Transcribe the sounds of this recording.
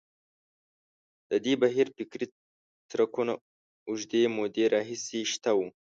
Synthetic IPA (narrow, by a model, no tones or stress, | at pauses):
d̪̥əd̪ibaɦiɾfɪkɾi | t̪ɾakuna | ʊʒd̪emod̪eɾɑɦiseʃt̪awu